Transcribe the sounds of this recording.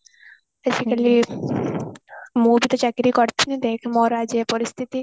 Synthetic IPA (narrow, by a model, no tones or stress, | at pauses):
besikali | mubit̪ɔt͡ɕakɾikɔɾt̪ʰinid̪ekʰmɔɾad͡ʒepɔɾist̪ʰit̪i